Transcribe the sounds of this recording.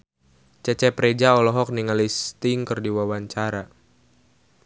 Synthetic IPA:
t͡ʃɛt͡ʃɛpɾed͡ʒaɔlɔɦɔk̚niŋalist̪iŋkərdiwawaɲt͡ʃaɾa

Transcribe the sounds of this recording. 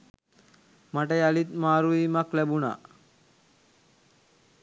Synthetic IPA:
maʈəjalit̪maːɾuimaklæbuna̰

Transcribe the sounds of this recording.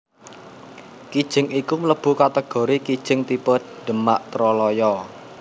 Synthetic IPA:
kid̥ʒ̥ɪ̤ŋikumələb̥ṳkat̪əɡ̥o̤ɾikid̥ʒ̥ɪ̤ŋt̪ipəd̪ɖ̪̥ə̤maʔt̪ɾɔlɔjɔ

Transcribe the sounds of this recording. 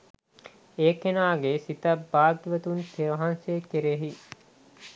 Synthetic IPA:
eːkenaːɡesit̪əbaːɡʋət̪unteʋɐɦansekeɾeɦi

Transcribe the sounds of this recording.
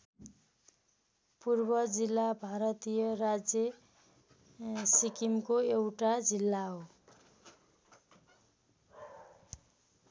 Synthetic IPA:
purbʌd͡zilːabʱaɾʌt̪ijʌrad͡zje | sikimkoewʈad͡zilːaɦo

